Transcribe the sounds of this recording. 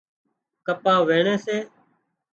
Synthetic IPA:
kəpãːʋeːɳeːseː

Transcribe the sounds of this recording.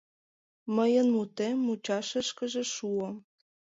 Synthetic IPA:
məjənmut̪emːut͡ɕɑʃə̆ʃkəʒĕʃuəm

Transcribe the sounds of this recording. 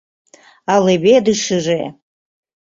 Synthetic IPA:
alebedɨʂɨre

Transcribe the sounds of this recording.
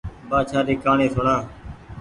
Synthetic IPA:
baːt͡ʃʰaːɗiːkaːɳẽːsʰoːɳãː

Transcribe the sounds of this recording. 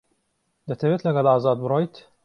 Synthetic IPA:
d̪ɐt̪ʰɐveːt̪lɐɡɐlɑːzɑːd̪̚bɨɾojt̪

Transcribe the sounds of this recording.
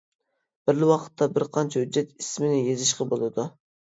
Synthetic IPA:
b̥ɪɾlɪwɑqʰə̥t̪ʰːɑbɪɾqʰɑnt͡ʃʰɛhʊd͡ʒːɛt̪ismɪnɪjezɪʃqɑbolˠɨd̪u

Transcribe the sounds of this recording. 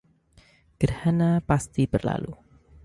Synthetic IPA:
ɡ̥ərhanapast̪ibərla̰lu

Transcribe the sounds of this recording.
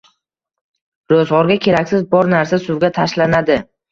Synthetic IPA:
ɾozʁɒɾɡʲakʲʰe̞ɾakʲsɪzbɒɾnaɾsasʊwɡʲat̪ʰaʃlanad̪ɪ

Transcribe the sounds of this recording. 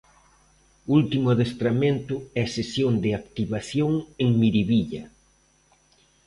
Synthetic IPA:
ult̪imʊaðest̪ɾamẽnt̪ʊɛɐsesjoŋd̪ɪakt̪iβaθjoŋeŋmiɾiβiʎɐ

